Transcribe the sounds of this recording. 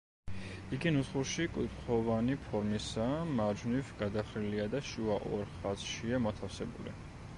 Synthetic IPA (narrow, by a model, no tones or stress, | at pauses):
iɡinusχuɾʃikʼwit̪ʼχʰɔvanipʰɔɾmisamaɾd͡ʒvnivɡad̪aχɾiliad̪aʃuaʔɔɾχat̪sʃiamɔt̪ʰafsɛbṵlḭ